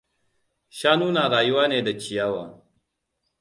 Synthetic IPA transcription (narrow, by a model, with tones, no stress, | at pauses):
ʃaː˦nuː˦naː˨ɽaː˨ju˦waː˦neː˨da˨t͡ʃi˨ja˦waː˨